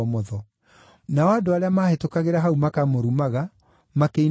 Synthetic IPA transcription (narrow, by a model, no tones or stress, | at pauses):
mɔðɔ | naɔadoaɾeamahetokaɣeɾaɦaumakamoɾumaɣa | makei